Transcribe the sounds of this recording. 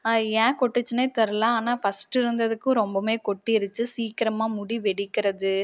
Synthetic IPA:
ɛ̃ːkɔʈːɯt͡ʃːɯneːt̪ɛɾɯlãːaːnaːfɐsʈɪɾɯnd̪ɐðɯkːʊ̃ɾɔmbɐmeːkɔʈːiɪɾɯt͡ʃːɯsiːkɪɾɐmaːmʊɽiʋɛɽɪkːɪɾɐðɯ

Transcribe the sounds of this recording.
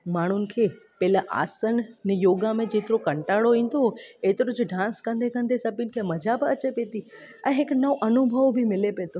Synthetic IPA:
maːɳ̤ʊnɪ̆kʰeː | pɛɪlaʔa̰ːsənnejoːɡamẽd͡ʑeːt̪ɪɾokɐ̃ɳʈaːɽoʋĩːn̆d̪oeːt̪ɪɾʊd͡ʑʊɖãːnskə̃nd̪ʱekə̃nd̪esɐpinɪ̆kʰeːmɐd͡ʑʱabɪɐt͡ɕepẽːt̪i | ɛ̃ːɦɪknɐoʔɐnʊbʱəʋbʱimɪlepẽːt̪ʰo

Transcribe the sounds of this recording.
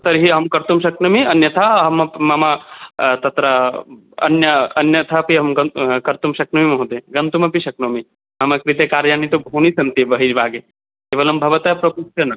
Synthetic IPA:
t̪ɐɾɦiɐɦɐmkɐɾt̪umʃɐknɐmiɐnjɐt̪ʰɐɐɦɐmɐpmɐmat̪ɐt̪ɾɐ | ɐ̰njɐɐnjɐt̪ʰɐpiɦɐmɡɐkɐɾt̪umʃɐknɐmimɐɦũt̪eɡɐnt̪umɐpiʃɐk̚nɐmi | mɐmɐkɾit̪ekaːɾjaːnit̪obʱunisɐnt̪ibɐɦiɾbaːɡe | keːʋɐlɐmbʱɐʋɐt̪ɐpɾɐpuʃɐnɐ

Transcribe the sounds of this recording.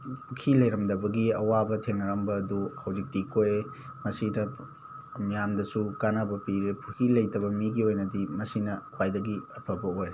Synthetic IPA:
pʰukʰilɐjɾɐmdɐbɐɡiɐwabɐtʰeŋnɐɾɐmbɐːduhɐwzik̚tikoje | mɐsidɐ | mijamdɐsukanabɐpiɾepʰukʰilɐjtɐbɐmiɡiojnɐdimɐsinɐpajdɐɡiɐpʰɐbɐoj

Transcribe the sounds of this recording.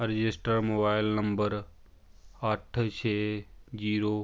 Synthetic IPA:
ɾɪd͡ʒɪsʈəɾmoːbaːɪlnɐmbəɾ | ɐʈʰt͡ʃʰeːd͡ʑiːɾoː

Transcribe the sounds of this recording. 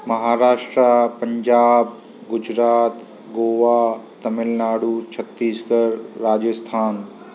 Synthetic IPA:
mɐɦaːɾaːʃʈɾapəɲd͡ʒaːb | ɡʊd͡ʒɾaːt̪ | ɡoːʋat̪ɐmɪlnaːɽut͡ʃʰət̪ːiːsɡəɾːaːd͡ʒəst̪ʰaːn

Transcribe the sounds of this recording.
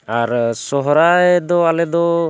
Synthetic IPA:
aɾsɔɦɔɾajd̪ɔalɛd̪ɔ

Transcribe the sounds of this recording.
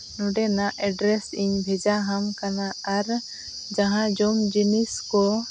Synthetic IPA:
nɔɖɛnaʔɛɖɾɛsiɲbʱɛd͡ʒaɦamkanaːɾ | d͡ʒaɦãd͡ʒɔmd͡ʒiniskɔ

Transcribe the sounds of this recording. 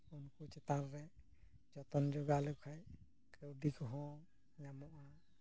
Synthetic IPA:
unkut͡ʃɛt̪aɾːɛ | d͡ʒɔt̪ɔnd͡ʒɔɡalukʰaj | kəwɖikɔɦɔ̃ | namɔʔa

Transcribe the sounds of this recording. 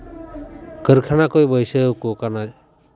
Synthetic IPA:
kəɾkʰanakɔjbəjsəkokana

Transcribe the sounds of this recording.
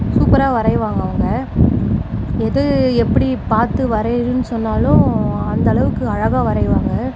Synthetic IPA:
suːpɐɾaːʋɐɾɐɪʋaːŋɡɐʋɐŋɡɐ | ɛðɯɛpːɐɽipaːɾt̪ɯʋɐɾɐɾɯnːɯsɔnːaːlʊ̃ɐnd̪ɐːɭɐʋɯkːɯɐɻɐɣaːʋɐɾɐɪʋaːŋɡɐ

